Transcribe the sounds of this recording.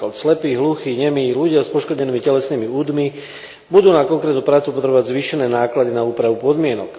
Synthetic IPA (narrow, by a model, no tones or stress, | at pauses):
ɔt̪slɛpiːɦluxiːɲɛmiluɟɪaspɔʃkɔdɲɛniːmicɛlɛsniːmiuːd̪mi | bud̪uːnakɔŋkɾɛt̪nuːpɾaːt͡supɔt̪ɾɛbɔʋaɟzʋiːʃɛnɛːnaːklad̪inauːpɾaʋupɔd̪mɪɛnɔ̰k